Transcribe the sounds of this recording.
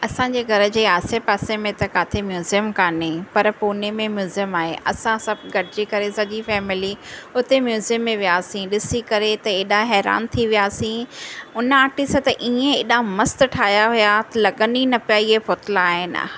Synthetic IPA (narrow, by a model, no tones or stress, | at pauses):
ɐsãɲd͡ʑeːɡʱɐɾəd͡ʑeːaːsepaːsemẽt̪ɐkaːt̪ʰemjuːzijəmkaːnepɐɾpuːnemẽmjuːzijəmaːɦeʔɐsãsɐbʱɡʱɐɽʱɪd͡ʑeːkɐɾesɐʄifɛːmɪliʊt̪emjuːzijəmːẽʋijaːsĩɗɪsikɐɾet̪ɐeːɗaɦɛːɾa̰ːnt̪ʰiʋijaːsĩʊnəaːʈist̪ɐʔiːẽeːɗamɐst̪ʈʰaːɦjaɦʊjat̪ɐlɐɡəninɐpijaiefoːt̪laːɦɪnɪ̰